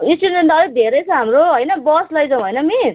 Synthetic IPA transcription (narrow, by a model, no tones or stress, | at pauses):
insiɖmeɳʈʌɾid̪ʱeɾʌjt͡sʰʌɦamɾoɦojnʌbʌslʌjd͡zʌw̃ɦojnʌmi